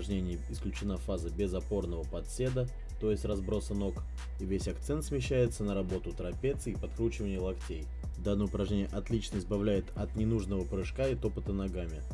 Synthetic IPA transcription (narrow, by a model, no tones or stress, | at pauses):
ʐnʲenʲɪjəɪsklʲʉt͡ɕɪnafazəbʲɪzɐpo̞rnəvəpɐt̪sʲe̞d̪ə | t̪o̞jɪsʲtʲrɐzbɾo̞səno̞k | ivʲesʲɐkt̪sɛnt̪smʲɪɕːæjɪt̪sənəɾɐbo̞t̪ʊt̪ɾɐpʲet̪sɨipɐt̪kɾut͡ɕɪvənʲɪjəlˠɐktʲej | d̪anːəjʊpɾɐʐnʲenʲɪjəʔɐt̪lʲit͡ɕnəɪzbɐvlʲæjɪt̪ɐt̪nʲɪnuʐnəvəpɾɨʂkaɪt̪o̞pət̪ənɐɡamʲɪ